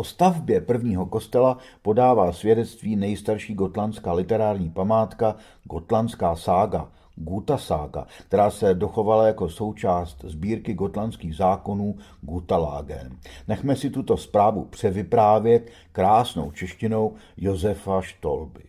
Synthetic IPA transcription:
post̪avbjɛpr̩vɲiːɦo̞ko̞st̪ɛlapo̞daːvaːsvjɛdɛt͡st̪viːnɛjst̪aɾʃiːɡo̞t̪lant͡skaːlɪt̪ɛɾaːɾɲiːpamaːt̪ka | ɡo̞t̪lant͡skaːsaːɡa | ɡut̪asa̰ːɡa̰kt̪ɛɾaːsɛdo̞xo̞valajako̞so̞wt͡ʃaːst̪zbiːɾkɪɡo̞t̪lant͡skiːɣzaːko̞nuː | ɡut̪ala̰ːɡɛ̰nnɛxmɛsɪt̪ut̪o̞spɾaːvupr̝̥ɛvɪpɾaːvjɛt̪ | kɾaːsno̞̰wt͡ʃɛʃcɪno̞wjo̞zɛfaʃt̪o̞lbɪ

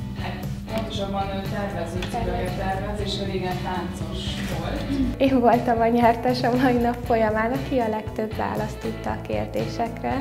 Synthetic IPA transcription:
hat̪ | po̞nt̪o̞ʃɒbɒnøt̪ɛrmɛzøːt̪ilɒjt̪ɛrmɛzeːʃɛzeːɡɛnt̪aːnt̪so̞ʃvolt̪eːɱvo̞lt̪ɒmɒɲɛrt̪ɛʃɒmɒjinɒpfo̞jɒmaːnɒkiɒlɛkt̪øbʋa̰ːlɒst̪ot̪ːɒːkḛːrd̪ḛːʃɛkrɛ

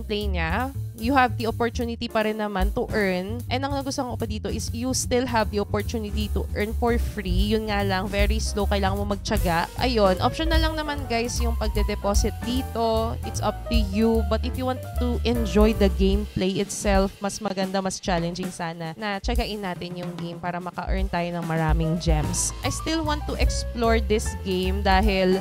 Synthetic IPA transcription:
ŋplejɲajʊhɐvd̪iʔopɔɹt̪uːnɪt̪ipɐɾɛnːɐmant̪ʊʔɛɹnʔɛɐŋnɐɡʊst̪oŋkopɐd̪iːt̪o̞ʔɪsjust̪ɪlɦɐvd̪iʔopɔɹt̪uːnɪt̪it̪uʔɛɹnfɔɹfɹijʊnŋalɐŋvɛɹislowkɐjlaːŋɐnmomɐɡ̚t͡ʃɐɡaʔʔɐ̰jonʔopʃɔnɐlɐŋnɐmanɡajsjʊŋpɐɡ̚d̪ɛd̪ɛpoːsɪt̪̚d̪iːt̪o̞ʔɪt̪sʔɐp̚t̪ujubɐt̪̚ɪfjuwãnt̪ːuʔɛnd͡ʒɔjd̪ɐɡẽjmplejʔɪt̪sɛlfmɐsmɐɡɐnd̪amɐst͡ʃalɛnd͡ʒɪŋsaːnɐnɐt͡ʃɐɡɐʔɪnːaːt̪ɪnjʊŋɡejmpaːɾɐmɐkɐʔɛɹnt̪aːjonɐŋmɐɾaːmɪŋd͡ʒɛmsʔɐjst̪ɪlwant̪ːuʔɛksploɹd̪ɪsɡẽjmd̪aːɦɪl

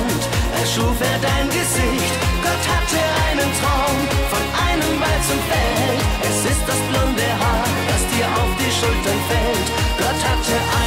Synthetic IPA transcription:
ntʔɛʃuːfeːɐdaɪnɡəzɪçtɡ̥ɔthat̚d̥iːɐʔaɪnəntʰɔnfɔnʔaɪnəmbaɪt͡sʊmfɛlʔɛsɪst̚d̥asb̥lɔndəɦaːɐ | d̥asd̥iːɐʔa̰ʊfd̥iːʃʊltɐnfɛltɡ̥ɔthat̚diːɐʔa

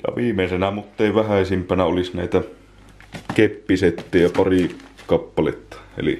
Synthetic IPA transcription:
jɑ̰ʋiːmeˑsenæmut̪ːeˑiʋæhæˑisimpænæolisnæˑit̪æ | kepːiset̪ːejɑpɑrikɑpːɑlḛt̪ːɑ̥ḛlḭ

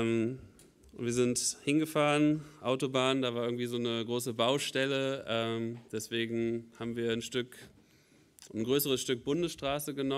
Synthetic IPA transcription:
m | viːɐzɪnthɪnɡəfaːʁənʔaʊtobaːəndaːvaːɐɪɐɡŋ̩tv̥iːzoːnəɡʁoːsəbaʊʃtɛləɛːmd̥ɛsv̥eːɡŋ̩haːbm̩viːɐnʃtʏk | nɡʁøːsəʁ̞əsʃtʏk̚b̥ʊndəsʃtʁ̥aːsəɡənɔ

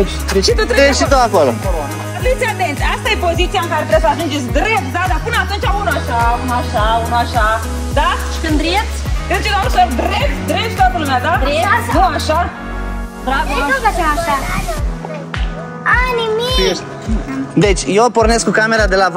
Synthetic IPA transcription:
t͡ʃʃit̪ut̪ɾeʃit̪oakolo | afɾit̪siat̪ent̪sʲast̪ajepozit̪ijaɨŋkaɾet̪ɾebsəaʒund͡ʒesʲd̪ɾept̪̚d̪ad̪apɨnat̪unt͡ʃaunaʃaunaʃaunuaʃa | d̪aʃi̥kɨnd̪ɾijesʲkɨnt͡ʃeksaʒũnsed̪ɾep̚t̪ʲd̪ɾep̪t̪at̪əlumed̪aeuaʃa | bɾavoaaaaʃa | animieʃt̪ | d̪et͡ʃʲjeporneskukameɾad̪ela

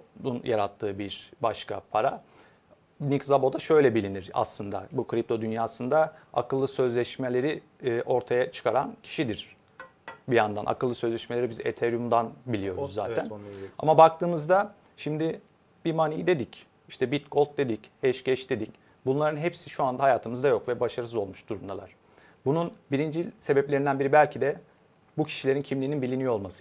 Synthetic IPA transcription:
unjʔaɾat̪ʰːɯːbiɾbaʃka̰pʰaɾa | nikzabo̞d̪aʃø̞jlʲɛbilʲiniɾa̰slˠɯnd̪a̰bukʰɾʲip̚t̪ʰo̞d̪ynjaːsɯnd̪aa̰kʰɯlˠːɯsø̞zlʲɛʃmelʲe̞ɾiː | ʔo̞ɾt̪ʰajat͡ʃʰɯ̥kʰaɾancʰi̥ʃid̪iɾ̥ | bijand̪anʔa̰kʰɯlˠːɯsø̞zlʲɛʃmelʲeɾibizḛt̪ʰeɾjumd̪anbilʲijo̞ɾuzːa̰ːt̪ʰæna̰mabak̚t̪ʰɯːmɯzd̪a | ʃimd̪i | b̥imaːnijid̪e̞d̪ic | iʃt̪ʰɛbit̪̚ɡʰolt̪̚d̪e̞d̪ichɛʃɟɛʃd̪e̞d̪ic | bunlˠaɾɯnɦepsiʃuand̪ahajaːt̪ʰɯmɯzd̪ajo̞kvɛbaʃaɾɯsɯzo̞lˠmuʃd̪̥uɾumd̪alˠa̰ɾ̥ | bununbiɾind͡ʒilʲse̞bɛplʲe̞ɾind̪ænbiɾibælʲcʰid̪ɛ | bucʰi̥ʃilʲeɾincʰimliːninbilʲinijoo̞lˠmasɯ

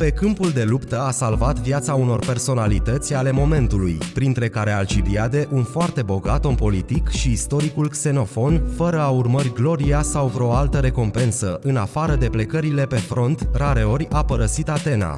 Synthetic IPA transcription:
pe̞kɨmpuld̪e̞lupt̪əasalvat̪vjat̪sauno̞rpe̞rso̞nalit̪ət̪sʲale̞mo̞me̞nt̪ulujpɾint̪ɾe̞kaɾe̞alt͡ʃibiad̪e̞ʔunfoart̪e̞bo̞ɡat̪ompo̞lit̪ikʃiːst̪o̞ɾikulkse̞no̞fo̞nfəɾəaurmərʲɡlo̞ɾiasawvɾo̞alt̪əɾe̞ko̞mpe̞nsəʔɨnafaɾəd̪e̞ple̞kəɾile̞pe̞fɾo̞nt̪raɾe̞o̞rʲapəɾəsit̪at̪e̞na̰

